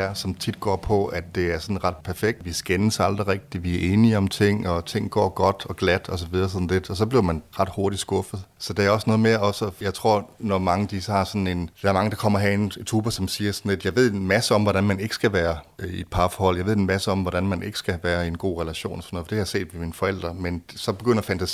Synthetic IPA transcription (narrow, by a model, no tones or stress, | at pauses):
ɐsɒ̽mt͡sʰid̥̚ɡ̥ɒ̰ːpʰɒ̽ædd̥e̝æɐsɒ̽nʁɑ̈d̥pʰæɐfeɡ̥̚d̥ʋisɡ̥enəsɑ̈ld̥ʁiʁɛɡ̥̚d̥iʋiæɐʔe̝ːniɒ̽mt͡sʰe̝ŋ̰ɒ̽t͡sʰe̝ŋ̰ɡ̥ɒ̰ːɡ̥ɒ̽d̥ɒ̽ɡ̥læd̥ɒ̽s̬ɒ̽ʋiðˠɐːs̬ɒ̽n̩le̝d̥ɒ̽s̬ɒ̽b̥liɐmænʁɑ̈d̥ho̝ɐɾi̥sɡ̥ɔ̽fð̞̩ˠsɒ̽d̥eæɐɒ̽snɔðˠme̝ːɐɒ̽səjɑ̈ɪt͡sʰʁo̝ɐ̰nɒmɑ̈ŋəd̥isəhɑ̈sɒ̽nn̩e̝nd̥æ̈ɐmɑ̈ŋəd̥ɑ̈kʰɒ̽m̰ɐɦæent͡sʰʁuːb̥ɐsɒ̽msiːɐsɒ̽n̩le̝d̥jɑ̈ɪʋe̝ð̰ˠenmæsəɒ̽mʋɒɾænmæne̝ɡ̥ə̥sɡ̥æʋæːɐid̥̚pʰɑ̈ːfɒhɒ̽l̰jɑɪʋe̝̰enmæsəɒ̽mʋɒɾ̥ænmænʔe̝ɡ̥ə̥sɡ̥æʋæːɐe̝nɡ̥o̝̰ːʁɛlæɕo̝̰ːnɒsɒnɔːð̩fd̥ehɑjse̝̰ːd̥ʋeminfɒ̽el̰d̥ʁɐmensɒ̽b̥e̝ɡ̥øn̰ɐfænt͡sʰæsi